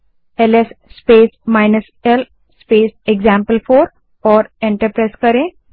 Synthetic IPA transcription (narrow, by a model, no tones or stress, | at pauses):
elesːpesmajnəs | el | speseɡd͡ʑæ̃mpəlfoɾ | ɔɾẽɳʈəɾpɾajskəɾẽ